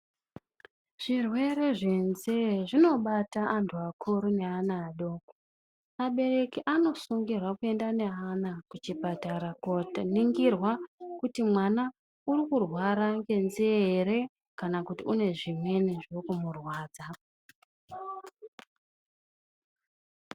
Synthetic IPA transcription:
ʐ̥irwe̞re̞ʐe̞nzeʐino̞ɓataʔantʰuakʰuɾune̞anaːɗo̞ːko̥ | aɓe̞re̞kiʔano̞suŋɡirwakue̞ndane̞anakut͡ʃipataɾakotniŋɡirwakutimwana | urikurwaɾaŋɡe̞nzieeɾe̞ | kanakutiune̞ʐimwe̞niʐokumurwaːd͡za

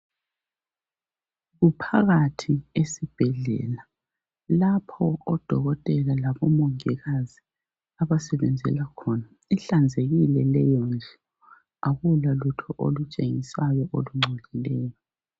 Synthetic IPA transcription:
ɣupʰaɣatʰiesib̥ʱɛɮɛ̰la | lapʰɔːd̥ʱɔɣɔtʼɛlalaβɔmoŋiɣazi | aβasɛβɛnd͡zʱɛ̰lakʰɔna | iɬand͡zʱeɣilɛlɛjɔnd͡ʒʱɛ | aɣulalutʰɔʔo̰lut͡ʃʼeŋisajɔʔoluŋ͡ǀʱolʱilɛːjɔ

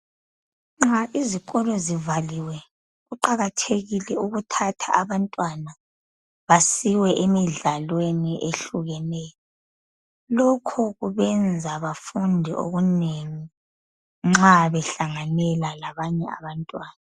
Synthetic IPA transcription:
ŋ͡ǁaʔiziɣɔlɔzivaliwɛ | ɣuǃaɣatʰeɣilɛuɣutʰatʰaaβantʼwana | βasiwɛʔemiɮalweniʔeɬuɣɛnɛːjɔ | lokʰuɣuβɛnd͡zʱaβafundʱiʔo̰ɣuneŋi | ŋ͡ǁaβɛɬaŋanɛlalaβaɲɛa̰βantʼwaːna

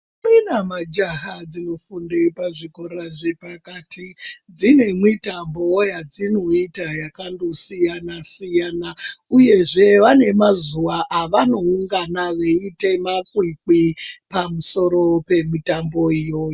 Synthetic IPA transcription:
minamad͡ʒaɦad͡zino̞fundepaʐikoɾaʐepakatʰid͡zine̞mwitambojad͡zino̞itajakandosijanasijanauje̞ʐe̞ʋane̞mazuʋaʔaʋano̞uŋɡanaʋeite̞makwik͡pipamuso̞ɾo̞pe̞mitambo̞ijoːjo

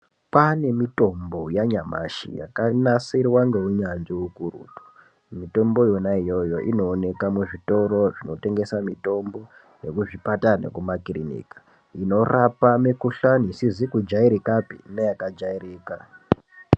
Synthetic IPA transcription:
pane̞mito̞mbo̞jaɲama̰ʃḭja̰kanasirwaŋɡe̞uɲanʐiukurṵtu̥ | mito̞mbo̞jonaijo̞jo̞ʔino̞ːne̞kamuʐito̞ɾo̞ʐino̞te̞ŋɡe̞samito̞mbo̞ | ne̞kuʐipatanḛkumakirinḭːkḁ | ino̞rapamekuɬaniisizikud͡ʒaiɾikapinejakad͡ʒairiːka

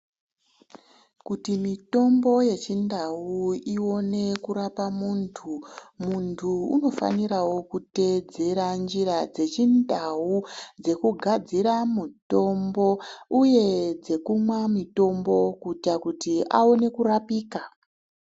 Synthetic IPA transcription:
kutimito̞mbo̞je̞t͡ʃindawuio̞ne̞kuɾapamuːntʰumuntʰuuno̞fa̰niɾawo̞kute̞d͡ze̞ɾand͡ʒiɾad͡ze̞t͡ʃindʱaud͡ze̞kuɡʱad͡ziɾamuto̞mbo̞uje̞d͡ze̞kumwamito̞mbo̞kutakutiʔa̰one̞kurapiːka

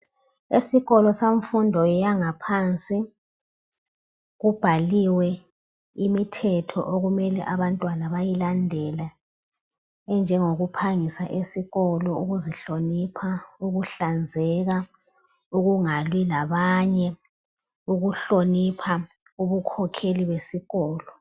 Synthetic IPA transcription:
esiɣɔlɔsaɱfundʱɔjaŋapʰant͡sʼi | ɣub̥ʱaliwɛ | imitʰɛtʰɔ̰ʔoɣumɛlɛ̰ʔaβantʼwanaβajilandʱɛla | ɛnd͡ʒʱɛŋoɣupʰaŋisaʔesiɣɔlɔuɣuziɬonipʰauɣuɬand͡zʱɛɣa | uɣuŋalwilaβaɲɛ | uɣuɬonipʰa | uβukʰɔkʰeliβwesiɣɔːlɔ

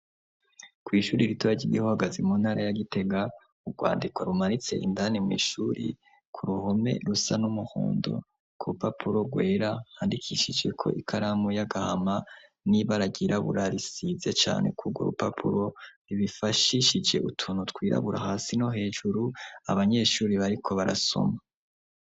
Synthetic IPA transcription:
kwiːʃuːɾiɾituaɟiɡihohaɡazemonhaɾajaɡite̞ɡa | uɡwa̰ːndikwaɾumaɾit͡se̞̰ʔindanimwḭːʃuɾḭ | kʰuɾuho̞me̞̰ɾusanumuho̰ːndo̞̰ | kuɾupapʰuɾo̞ɡwe̞ːɾahaːndikʰiʃid͡ʒe̞kʰo̞̰ʔikʰaɾamujaɡaha̰ma | niβaɾaɡiɾʔaβṵɾaɾisize̞t͡ʃa̰ːne̞̰kuɡwo̰ɾupapʰuɾo̞ɾiβifaʃiʃid͡ʒe̞̰ʔutʰuːnutwiːɾa̰βuɾa̰haːsino̞ɦe̞ːʒuɾua̰βaɲe̞ːʃuɾiβaɾikʰo̞βaɾa̰so̞̰ma

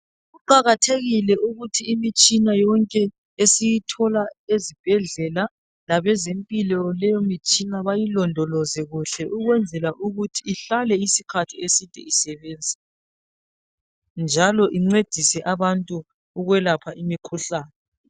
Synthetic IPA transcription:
ɣuǃaɣatʰeɣilɛʔuɣutʰiːmit͡ʃʼinajɔŋkʼɛ | esijitʰɔlaezib̥ʱɛɮɛla | laβɛzempʼilɔlɛjomit͡ʃʼinaβajilɔndʱɔlɔzɛɣuɬɛʔuɣwɛnd͡zʱɛlaʔuɣutʰiːɬalɛisikʰatʰiesitʼɛ̰isɛβeːnd͡zʱi | nd͡ʒʱalɔʔiŋ͡ǀed̥ʱisɛʔaβantʼuː | ɣwɛlapʰaʔimikʰuɬaːnɛ

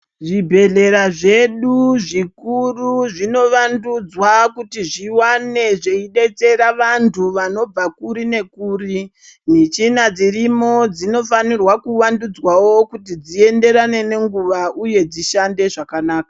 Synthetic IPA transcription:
ʐibʱe̞ɮe̞ɾaʐe̞ɗuʐikuruʐino̞ʋandud͡zwakutiʐiwane̞ʐeiɗe̞t͡se̞ɾaʋantʰuʋano̞b͡vakuɾine̞kuːri | nit͡ʃinad͡zirimod͡zino̞fanirwakuʋandud͡zwawo̞kutid͡zie̞nde̞ɾane̞ne̞ŋɡuʋauje̞d͡ziʃande̞ʐakanaːka

